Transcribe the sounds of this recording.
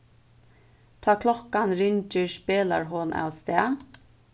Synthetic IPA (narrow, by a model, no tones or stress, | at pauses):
t̪ʰaːkʰlɔhkanɾʏɲt͡ʃɪspeːla̰ɹɦɔnʔa̰wst̪ɛː